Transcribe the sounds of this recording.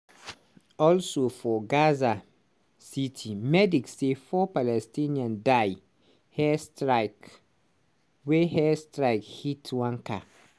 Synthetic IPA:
ɔlsofɔɡaza | sitʰimɛdiksefɔpalɛstĩnĩãndaɪ | hɛstɹaɪk | wehɛstɾaɪkhitʰwãŋkʰa

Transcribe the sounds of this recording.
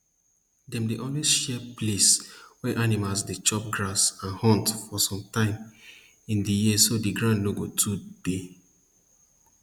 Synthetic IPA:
dɛ̃mdeʔõnliʃɛpleswɛʔanimalsdet͡ʃɔp̚ɡɹasãnhɔ̃ntfɔsɔ̃mtãɪ̃m | ĩndijisodiɡɹãnloɡotʰude

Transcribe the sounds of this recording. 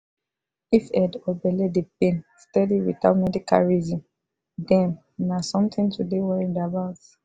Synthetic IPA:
ifɛdɔbɛlɛdep̚ẽnstɛdiwḭta̰tmɛdika̰lɹizĩm | dɛ̃n | nasɔ̃mt̪ʰĩntʰudewɛɹidabaʊt

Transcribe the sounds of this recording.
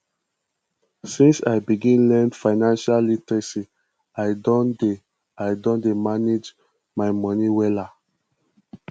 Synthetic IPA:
sĩnsa̰jbiɡĩnlɛ̃ndfaɪnãnʃallitɹisi | aɪdɔ̃nde | aɪdɔ̃ndemaned͡ʒ | maɪmɔ̃niwɛla

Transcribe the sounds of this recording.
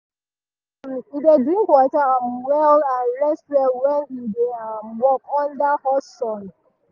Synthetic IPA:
mibedikʷɔtaamwɛlanɾɛstɾɛlwɛnideamwɔkɔndahɔsɔn

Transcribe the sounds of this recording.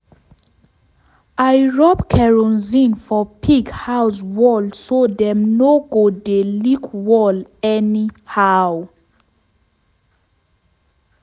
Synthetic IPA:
ajɹɔbkʰɛɹɔnzĩnfɔpʰiɡhawswɔlsodɛ̃mnoɡodelikwɔlɛnihaw

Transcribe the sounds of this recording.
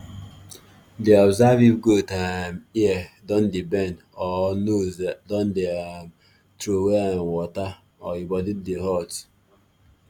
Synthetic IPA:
diabzavivɡotamiedɔndibɛn | ɔnozdɔndiam | tɾowewɔta | ɔibɔdiddiɦɔt

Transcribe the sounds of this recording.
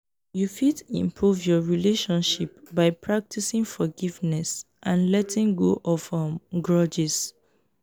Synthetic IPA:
jufidḭ̃mpʰɹuvjɔɹileʃɔ̃nʃip̚baɪpʰɹak̚tʰisĩŋfɔɡivnɛs | ʔãnlɛtĩŋɡoʔɔfəɡɹʌd͡ʒɛs

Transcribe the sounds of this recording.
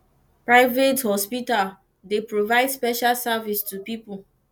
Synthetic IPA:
pɹaɪvethɔspital | depɹovaɪdspɛʃalsavistupipu

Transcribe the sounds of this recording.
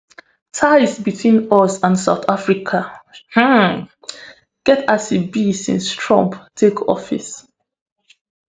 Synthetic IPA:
tʰaɪsbitʰwĩnɔsãnsaʊtafɹikʰah̩ | ɡ̥ɛtasibisḭ̃nstʰɹɔ̰̃mptʰekʰɔ̰fḭs

